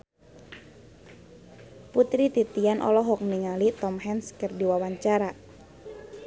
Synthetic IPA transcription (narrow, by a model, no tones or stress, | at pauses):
put̪ɾit̪it̪ianʔɔ̰lɔɦɔk̚niŋalit̪ɔmɦɛnskərdiwawaɲt͡ʃaɾa